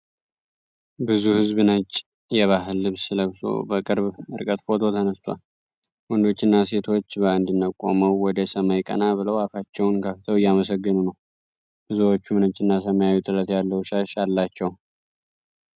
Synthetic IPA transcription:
bɨzuhɨzbɨnət͡ʃʼː | jɛβaɦɨlːɨβsɨləβso̰bəkʼɨɾbɨɾkʼət̪fo̞t̪ʰo̞t̪ʰənəst̪ʼwa̰l | wɔnd̪o̞t͡ʃːɪnːase̞t̪ʰo̞t͡ʃːbəɨnd̪inːəkʼo̞̰məwwɔd̪əsəmajkʼə̰nabɨləwafat͡ʃːɛwnkʰəft̪ʰəwɪjːaməsəɡːɨnunəw | bɨzuwot͡ʃːumnət͡ʃʼːɨnːasəmajawit̪ʼɨɾət̪jalːəwʃaʃalːat͡ʃːɛw

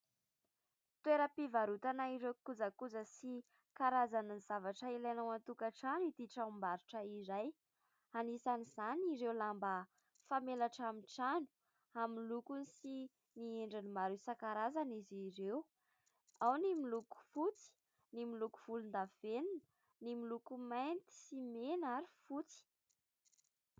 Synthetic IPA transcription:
t̪weɾəpivaɾut̪anaiɾewkuzakuzəsi | kaɾazanənzavaʈ͡ʂəilanawant̪ukaʈ͡ʂanit̪iʈ͡ʂaumbaɾuʈ͡ʂəiɾaj | anisaniz̥aniɾewlambə | famelaʈ͡ʂamiʈ͡ʂanu̥ | aminlukunisi | nieɳɖ͡ʐinimaɾusakaɾazaniziɾew | awnimiluku̥fut͡si̥ | nimiluku̥v̥ulund̪avenun | nimilukumajnt̪i̥simenaɾifut͡si̥

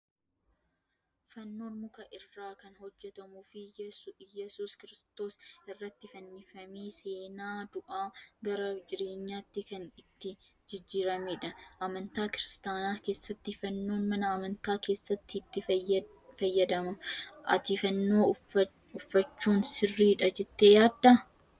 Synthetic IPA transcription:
fɐnːo̞ːnmʊkɐʔɪrːaːkɐnɦɔd͡ʒːɛt̪ɐmuːfɪjɛsuːskɪɾɪst̪o̞ːsɪrːɐt̪ːɪfɐnːifɐmeːse̞ːnaːd̪ʊʔaːɡɐɾɐd͡ʒɪɾe̞ːɲːaːt̪ːɪkɐnɪt̪ːɪ | d͡ʒɪd͡ʒːiːɾɐmeːᶑɐʔɐmɐnt̪aːkɪɾɪst̪aːnaːke̞ːsːɐt̪ːɪfɐnːo̞ːnmɐnɐːmɐnt̪aːke̞ːsːɐt̪ːɪːt̪ːɪ | fɐjːɐd̪ɐmɐʔɐ̰t̪iːfɐnːo̞ː | ʊfːɐt͡ʃːuːnsɪrːiːᶑɐd͡ʒɛt̪ːejaːd̪ːɐ

